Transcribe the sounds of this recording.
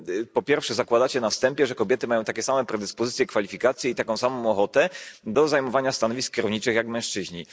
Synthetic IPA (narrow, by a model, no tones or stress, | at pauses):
pɔpʲjɛɾfʂɛzakwad̪at͡ɕɛnafst̪ɛmpʲjɛʐɛkɔbʲjɛt̪ɘmajɔ̃w̃t̪akʲɛsamɛ̃pɾɛd̪ɘspɔzɘt̪sʲjɛkfalʲifʲikat̪sʲjɛit̪akɔ̃w̃samɔ̃w̃ɔxɔt̪ɛd̪ɔzajmɔvaɲast̪anɔvʲisk̚kʲːɛɾɔvɲit͡ʂɘxjakmɛ̃ʂt͡ʂɘʑɲi